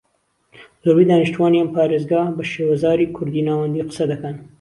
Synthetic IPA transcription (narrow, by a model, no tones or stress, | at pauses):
zobiːd̪ɑːniʃt̪uwɑːniɐmpɑːɾeːzɡɑːbɐʃeːwɐzɑːɾiːkʰʊɾd̪iːnaːwɐnd̪iːqɨ̥sɐd̪ɐkɐn